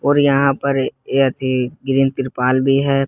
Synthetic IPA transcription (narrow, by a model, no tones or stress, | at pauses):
oːɾjɐɦãpɐɾeɐt̪ʰiɡɪɾĩnt̪ɪɾpaːlbʱiɦɛː